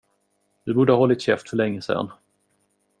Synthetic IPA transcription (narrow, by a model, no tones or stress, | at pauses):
d̪̥ɵbuːɖəhaːhɔlːɪt̪ɕɛft̪fœɭɛŋːəsɛ̰n